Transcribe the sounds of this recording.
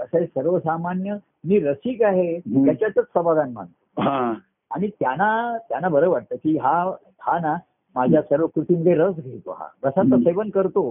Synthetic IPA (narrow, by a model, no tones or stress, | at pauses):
əsəsəɾʋəsamanjə | miːɾəsiːkaɦet̪jat͡ɕjat͡sət͡ssəbaɡ̪anm̤a̰ɳt̪o̥ɦã | aɽ̃it̪janat̪janːabəɾəːʋaʈ̚t̪əːkiɦa | hana | mad͡ʑʱjasəɾʋəkɾut̪iməd̪ʱːjeɾəs̬ɡʱet̪o̰ɦa̰ɡəsat̪əseʋənkəɾt̪o